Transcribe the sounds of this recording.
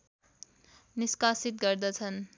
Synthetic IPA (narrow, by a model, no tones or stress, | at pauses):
niskasit̪̚ɡʌɾd̪ʌt͡sʰʌn